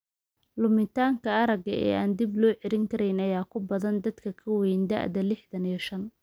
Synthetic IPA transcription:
lʊmɪt̪ʰaːŋkʰɐɐɾɐɡɐɛ̰ːaːnd̪ɪblɔːʕɛɾɪŋkʰɐɾɛjnɐjaːkʰʊbɐðɐnd̪ɐd̪kʰɐkʰɐwɛjnd̪ɐ̰ʔd̪ɐlɪħðɐniʃɐn

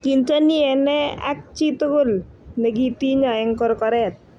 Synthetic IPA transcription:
kint͡ʃaniɛnɛa̰k̚t͡ʃit̪okolneɡit̪iɲɔɛŋkɔɾkɔɾɛt̪̚

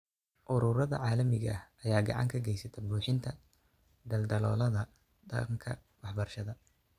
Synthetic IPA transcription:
ʔʊɾʊɾɐðɐ̰ʕaːlɐmɪɣɐ̰hɐjaːɡɑ̰ʕɑ̰ŋkʰɐɡɛjsɐt̪ʰɐbuːħɪnt̪ʰɐ | d̪ɐld̪ɐlɔːlɐðɐ | dɐ̰qŋkʰɐ̰ | wɑħbɐrʃɐðɐ

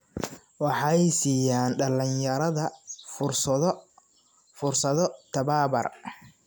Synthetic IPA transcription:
wɑħɑjsiːjaːnɖɐlɪnjɐɾɐðɐʊrs | fʊrsɐðɔt̪ʰɐβaːbɐ̰r

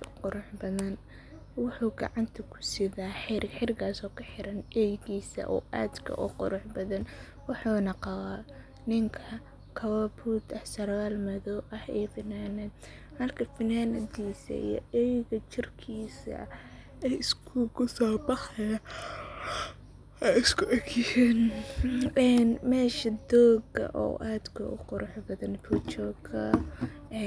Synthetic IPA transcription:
qʊɾʊħbɐðɐn | wʊħuːɡɑ̰ʕɑnt̪ʰɐkʰʊ̥sɪðaːħɪrħɪrkʰaːsɔːkʰɐħɪɾɐnɛjɣiːsɐ̰ʔɔ̰ːʔa̰ːd̪kʰɐ̰ʔʊqʊɾʊħbɐðɐn | wɑħuːnɐqɑwaː | nɪŋkʰɐ | kʰɐwɐbuːd̪ɐsɐrwaːlmɐðɔːwʔɐhɛ̰ːfɪnaːnɐd̪̚ | hɐrkʰɐfɪnaːnɐd̪iːsɐ̰ḭjɔ̰ɛjɣɐt͡ʃɪrkʰiːsɐ̰ | ɛjɪskʰʊkʊsɔːbɑħɐja | ɛɪskʰʊʔɛkijɛːn | ɛnmɛːʃɐd̪ɔːɡɐ̰ʔɔ̰ːʔaːd̪kʰɐ̰ʊ̰qʊɾʊħbɐðɐnfʰut͡ʃɔːɡʰɐ

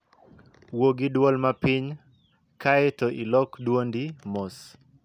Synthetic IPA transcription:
woɡɪdwɔlmapɪɲ | kaɛtɔʔilɔkdwondimos

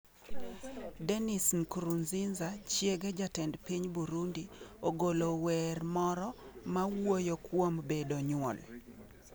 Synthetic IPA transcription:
dɛnisnkɾunzinzat͡ʃjeɡɛd͡ʒatɛndpiɲbuɾundioɡolowɛrmɔɾɔmawojokwombedoɲwɔ̰l

